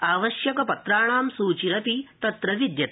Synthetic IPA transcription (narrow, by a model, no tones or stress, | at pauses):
aːʋɐʃjɐkɐpɐt̪ɾaːɳaːmsuːt͡ʃiɾɐpit̪ɐt̪ɾɐʋid̪jɐt̪